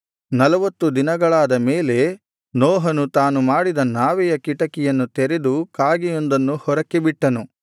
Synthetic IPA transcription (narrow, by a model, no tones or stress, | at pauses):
nɐlɐʋɐt̪ːud̪inɐɡɐɭaːd̪ɐmeːle̞ | nɔːɦɐnut̪aːnumaːɽid̪ɐnaːʋɛjɐkiʈɐkɛjɐnːut̪eɾed̪ukaːɡijond̪ɐnːuhɔɾɐkːebiʈːɐnu